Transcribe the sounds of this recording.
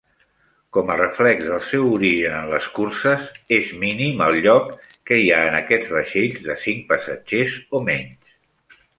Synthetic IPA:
kɔmərəflɛɡzðəlˠsɛwuɾiʒənənləskursəzezminiməlˠʎɔkː | əiaənəkɛd͡zβəʃeʎzðəsiŋk̚pəsə̰d͡ʒezomɛɲs

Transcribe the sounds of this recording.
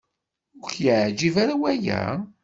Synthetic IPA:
ʊɾçjəʕd͡ʒivaɾawæjæ̰

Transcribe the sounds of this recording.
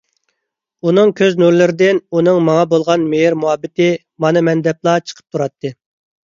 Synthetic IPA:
unɨŋkʲʰøznuɾlɪɾɪd̪ɪnunɨŋmɑŋɑbolˠʁɑnmeɦiɾmuɑbːɪt̪ɪ | mɑnɨmɛnd̪ɛplˠɑt͡ʃʰə̥qʰə̥p̚t̪ʰuɾɑt̪ʰːɨ

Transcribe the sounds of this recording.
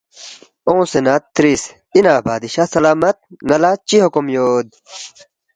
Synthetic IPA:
õːsenat̪ːɾis | inaːbaːd̪iɕasɐlaːmɐt̪̚ŋɐlat͡ɕiɦokumjoːd̪̚

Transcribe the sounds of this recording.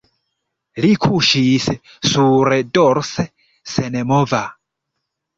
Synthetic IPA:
likʰuʃisɛ | suɾɛdɔɾsɛ | sɛnɛmɔva

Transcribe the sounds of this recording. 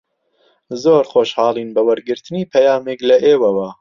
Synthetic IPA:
zoːɾχoːʃhɑːlˠiːnbɐwɐɾɡɨɾt̪ʰɨniːpʰɐjaːmeklɐʔeːwɐwɐ

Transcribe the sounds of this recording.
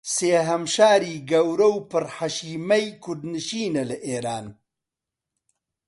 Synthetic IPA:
seːɦɐmʃaːɾiːɡɐwɾɐwpɨɾħaʃiːmɐjkʰʊd̪nɨʃiːnɐlɐʔeːɾaːn

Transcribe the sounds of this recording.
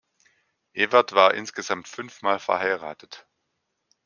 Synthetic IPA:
ʔeːvɛɐtv̥aːɐʔɪnsɡ̥əzamtfʏnfmaːlfɛɐhaɪʁa̰ːtʰət

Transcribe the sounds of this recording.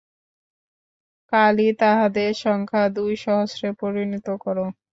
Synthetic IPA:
kalit̪aɦad̪eʃɔŋkʰad̪ujʃɔɦoʃɾepoɾinit̪okɔɾo

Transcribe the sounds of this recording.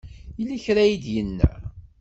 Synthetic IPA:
ilːæçɾæjid̪jənːæ̰

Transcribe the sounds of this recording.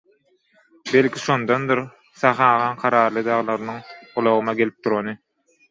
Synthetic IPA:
be̞lʲkʰʲiʃond̪ond̪ɯɾ | sɑχɑːʁɑːnqʰɑɾɑːɾlˠɯd̪ɑʁlˠɑɾɯnɯŋolˠoɣɯmɑɡe̞lip̚t̪uɾonɯ

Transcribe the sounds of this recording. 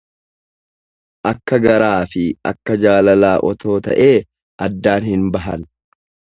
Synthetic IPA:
ʔɐkːɐɡɐɾaːfɪɐ̰kːɐd͡ʒaːlɐlaːʔɔt̪o̞ːt̪ɐ̰ʔe̞ː | ʔɐd̪ːaːnhɪnbɐɦɐn

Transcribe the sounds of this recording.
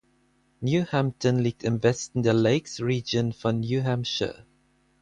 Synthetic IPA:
njuhæ̃mp̚tə̃nlik̚tɪ̃nvɛstɪ̃ndəleɪksɹiːd͡ʒə̃nfɔnjuɦæ̃mʃə̰

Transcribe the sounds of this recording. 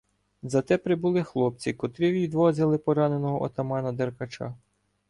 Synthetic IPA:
zɐt̪ɛpɾɪbulˠɪxlˠɔp̚t͡sʲikɔt̪ɾɪʋʲid̪ʋɔzʲɐlˠɪpɔɾɑnenɔɦɔʔɔ̰t̪ɐmɑnɐd̪erkɐt͡ʃɑ̰

